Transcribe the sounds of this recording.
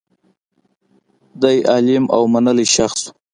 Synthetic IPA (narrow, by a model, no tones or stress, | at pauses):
d̪ajʔɑlɪmʔa̰wmanəliʃaxsu